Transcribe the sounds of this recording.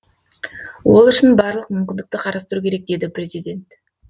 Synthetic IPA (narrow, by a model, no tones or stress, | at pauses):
wo̞lˠʏʃɪnbɑɾlˠəq̚mʏmkʲɪnd̪ɪkt̪ɪqʰɑɾɑst̪əɾukʲʰe̞ɾe̞k̚d̪e̞d̪ɪpɾʲe̞zijd̪ʲe̞nt̪